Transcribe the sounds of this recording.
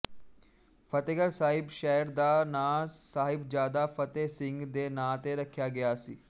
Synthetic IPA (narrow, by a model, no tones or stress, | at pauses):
pʰət̪eɡəɾsaːɦɪbʃɛːəɾd̪aːnãːsaːɦɪbd͡ʒjaːd̪afʰət̪eːsɪ̃ŋɡd̪eːnãːt̪eɾəkʰjaːɡɐjaːsḭː